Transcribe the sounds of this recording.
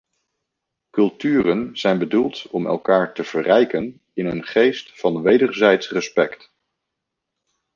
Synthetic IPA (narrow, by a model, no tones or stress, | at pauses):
kɵlˠtyːrənz̥ɛjnbədulˠtɔmɛ̰lˠkaːɹtəv̥ərɛjkən | ɪnənχejstfɑnʋejdəɹzɛjtsrəspɛkt